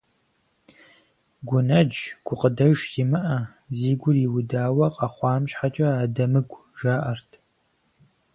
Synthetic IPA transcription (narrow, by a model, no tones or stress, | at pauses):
ɡʷʊnɐd͡ʒɡ̥ʷʊqədɐʒz̥imɨʔɐ | ziːɡʷʊriwʊdaːwɐqʼɐχʷɑːmʃħat͡ʃʼɐaːdɐmɨɡʷʼ | ʒaːʔɐrtʰ